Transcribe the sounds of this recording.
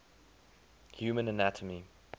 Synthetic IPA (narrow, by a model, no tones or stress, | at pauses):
hjʉːmə̃nənætʰəmi